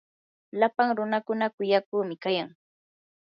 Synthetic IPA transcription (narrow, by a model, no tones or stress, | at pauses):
lapaŋɾʊnakʊnakʊjakʊːmɪkajaŋ